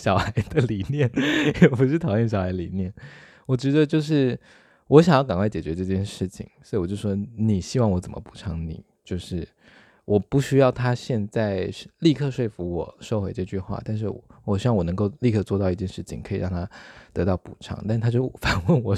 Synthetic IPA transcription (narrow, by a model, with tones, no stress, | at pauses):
ɕjɑ˨˩ʊxa˧˥ɪd̪ə˧li˨˩njɛ˥˩njɛ˨˩pu˧˥ʂ̬ɻ̩˥˩t̪ʰɑ˨˩ʊjɛ˥˩nɕ̬jɑ˨˩ʊxa˧˥d̪ə˧li˨˩njɛ˥˩n | wɔ˨˩t͡ɕɛ˧˥d̪ə˧t͡ɕjo˥˧ʊʂ̬ɻ̩˥˩ | wɔ˧˥ɕjɑ˨ŋjɑ˥˩ʊka˨˩ŋkʰwa˥˩t͡ɕɛ˨˩t͡ɕɥɛ˧˥ʈ͡ʂɤ˥˧t͡ɕjɛ˥˧nʂɻ̩˥˩t͡ɕʰḭ˨˩ŋswo˧˥i˨˩wɔ˨˩t͡ɕo˥˧˩ʂwɔ˥ni˨˩ɕi˧˥wɑ˥˩ŋwɔ˧˥t͡sə˨˩mə̰˦pu̥˨˩ʈ͡ʂʰɑ˧˥ŋnḭ˨˩˦t͡ɕjo˥˧ʊʂɻ̩˥˩ | wʔɔ˨˩pu˥˩ɕy˥jɑ˥˩ʊt̪ʰa˥ɕjɛ˥˧nt͡sa˥˧ɪ˥li˥˧kʰɤ˥˧ʂwe˥˩ɪfu˧˥wɔ˨˩ʂo˥˧ʊxe˧˥ɪʈ͡ʂɤ˥˧t͡ɕy˥˧xwa̰˥˧t̪a˥˧nʂ̬ɻ̩˥˩wɔ̰˨˩˦wɔ˨˩ɕy˥wɑ˥˩ŋwɔ˨˩nɤ˧˥ŋko˥˧ʊli˥˧kʰɤ˥˧t͡swɔ˥˧ɑ˥˧ʊi˥˩t͡ɕjɛ˥˧nʂɻ̩˥˩t͡ɕʰḭ˨˩ŋkʰɤ˧˥i˨˩ɻʔɑ˥˧ŋt̪ʰa˥t̪ɤ˧˥t̪ɑ˥˩ʊpu˨˩ʈ͡ʂʰɑ̰˥˦ŋt̪a˥˧ʂ̩˥t̪ʰa˥t͡ɕjo˥˩ʊ˨˩fa˨˩nwə˥˩nwɔ˨˩